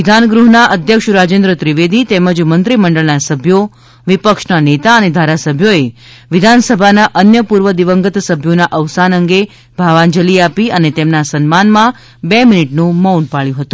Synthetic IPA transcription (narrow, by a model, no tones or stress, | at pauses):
ʋɪd̪ʱanɡɾuɦnaʔəd̪ʱjəkʃɾad͡ʒẽnd̪ɾət̪ɾiʋed̪it̪ɛməd͡ʒmənt̪ɾiməɳɖəɭnasəbʱjo | ʋipəkʃnanet̪aəned̪ʱaɾasəbʱjoe | ʋɪd̪ʱansəbʱanaʔənjəpuɾʋəd̪iʋəŋɡət̪səbʱjonaʔəʋsanəŋɡe | bʱaʋand͡ʒəliapiʔənet̪emnasənmanmã | bɛminiʈnũməunpaɭjũɦət̪ũ